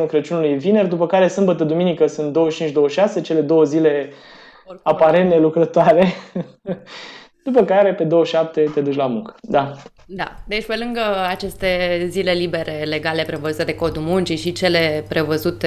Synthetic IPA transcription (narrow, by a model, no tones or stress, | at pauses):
ukɾət͡ʃunulujvine̞rd̪upəkaɾe̞sɨmbət̪əd̪uminikəsunt̪̚d̪owəʃt͡ʃint͡ʃd̪o̞wəʃase̞t͡ʃe̞le̞d̪o̞wəzile̞ | apaɾenelukɾət̪oaɾe | d̪̥upəkaɾe̞pe̞d̪o̞wəʃap̚t̪e̞t̪e̞d̪ut͡ʃʲlamuŋkə̥d̪a | d̪a̰d̪e̞t͡ʃʲpe̞lɨŋɡəat͡ʃe̞st̪e̞zile̞libe̞ɾe̞le̞ɡale̞pɾe̞vəzut̪e̞d̪e̞ko̞d̪umunt͡ʃiʃit͡ʃe̞le̞pɾe̞vəzut̪e